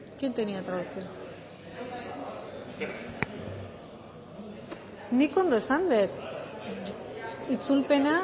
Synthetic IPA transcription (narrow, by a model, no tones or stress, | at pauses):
kint̪eniat̪ɾaðusio | niko̞nd̪o̞esand̪et̪ | it͡sulpe̞na